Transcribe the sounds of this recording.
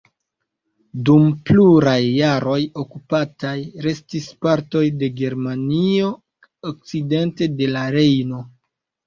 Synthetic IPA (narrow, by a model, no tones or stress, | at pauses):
dumpluɾajːaɾo̞jo̞kupatajɾe̞stispaɾto̞jde̞ɡe̞ɾmanio̞ | ok̚t͡side̞nte̞de̞laɾe̞jno̞